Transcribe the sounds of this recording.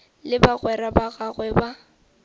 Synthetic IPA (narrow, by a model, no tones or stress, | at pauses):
lɪbaɣwɛɾabaɣaɣwɛba